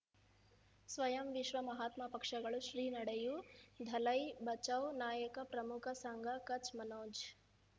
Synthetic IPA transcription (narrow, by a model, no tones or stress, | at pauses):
sʋɐjɐmʋiʃʋɐmɐɦaːt̪mɐpɐkʂɐɡɐɭuʃɾiːnɐɽejud̪ʱɐlɐjbɐt͡ʃɐwnaːjɐkɐpɾɐmukʰɐsɐŋɡʱɐkɐt͡ʃmɐnoːd͡ʒ